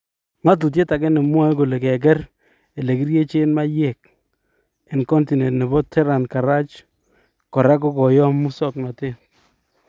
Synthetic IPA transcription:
ŋa˦t̬u˨t̬je˦ta˨kɛ˦nɪ˨mwa˦ko˨le˨kɛ˨k̬ɛ˦r | e˨le˨ki˦ɾje˦t͡ʃe˦nma˦je˦˨k̚ | ɪ˨nkɔ˦nti˨nɛ˨tne˨bɔ˦tʰɛ˦ɾa˨nka˨ɾa˦t͡ʃ | kɔ˨ɾa˦kɔ˦kɔ˨jɔ˦mːu˦sɔ˦kna˨tɪ˦

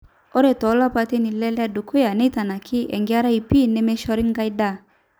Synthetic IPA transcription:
ɔ˦ɾɛ˨tɔ˨˦la˦pa˧te˦ni˨lɛ˦la˦du˨kʰo˦ja˨nɛ˦ta˨na˨kʰɪ˦ʔɛ̰˨ŋɡɪ˦a˦ɾa˦i˨pi˦˨nɛ˦mɛ˦ʃɔ˧ɾɪ˦ŋ˦ɡa˦jda˦˨

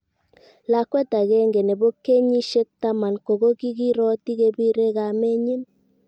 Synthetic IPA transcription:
la˨kwɛ˦ta˨ɣe˦ŋɡe˨ne˨βo˦ke˦ɲi˦ʃe˦k̚ta˦ma˨nko˨ɣo˦ki˦ɡi˦ɾɔ˦ti˦ɣe˦bi˦ɾe˦ɣa˨me˦ɲi˦m

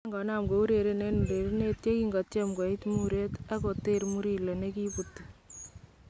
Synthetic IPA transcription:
ŋɡɔ˨na˦mɡo˨u˦ɾe˨ɾe˨ne˦n˨ɾe˨ɾe˦ne˦tje˦ki˦ŋɡɔ˨te˦mɡɔ˨i˦tmuɾe˦ta˦ko˨te˦ɾmu˦ɾi˨lo˨ne˦ki˦pu˨tːi˨

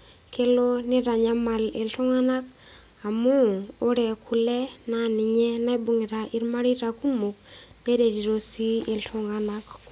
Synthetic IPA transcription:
ke˦lo˦nɪ˦ɾa˨ɲa˦ma˨lḛ˨ltʊ˦ŋa˦na˦k | a˨mu˦o˦ɾɛ˨kʰu˨lɛ˦na˦˨nɪ˨ɲɛ˦na˦i˦bu˨ŋɪ˨ɾa˨ʔɪ˦ɾma˦ɾi˦ɾa˨ku˦mu˨k̚ne˦ɾe˨ɾi˨ɾo˨si˦e˨ltʊ˦ŋa˦na˦k

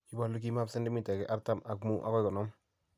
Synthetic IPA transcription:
i˦ba˨lu˦k̬i˦ma˦psɛ˦ndɪ˦mi˦tɛ˨kɛ̰˦ʔa˦ɾta˦ma˨kmu˦ʔa̰˦kɔ˦jkɔ˨nɔ˦m

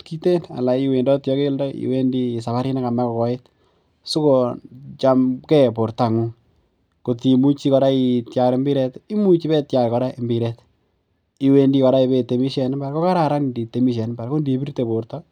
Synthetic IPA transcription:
tki˦te˦na̰˨la˨iwe˨ndɔ˦tjɔ˦ke˦ldɔ˦ḭ˨we˦ndiː˦˨s̬a˨βa˦ɾi˦na˦ka˨mɛ˦kɔ˨kɔ˦e˦t | su˦ko˨t͡ʃa˨mkɛ˦po˨ɾta˨ŋu˦ | ko˨ti˨mu˦t͡ʃi˦kɔ˧ɾa˦i˨tja˨ɾe˦mbi˦ɾɛ˦ti˦mu˦t͡ʃi˦bɛ˦tja˨ɾkɔ˦ɾa˦e˨mbi˨ɾɛ˦t | i˨we˦ndi˦kɔ˨˧ɾa˦i˧be˨te˨mi˦ʃɛ˨n˦ba˨ɾko˦ka˦ɾa˨ɾa˦ndi˨te˨mi˦ʃ̬ɛ˨n˦mba˨ɾko˦ndi˨˦bi˦rte˨bo˨ɾtɔ

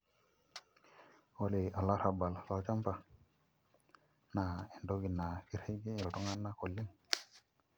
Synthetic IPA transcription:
oli˨a˨lːa˦ɾa˨ba˨lla˨wt͡ʃa˦mpa˨ | na˨e˨ndo˦ɡi˨nːa˨ki˨ɾhe˦ɡe˦e˨ʈo˦ŋa˦nːa˦ko˨lːi˦n

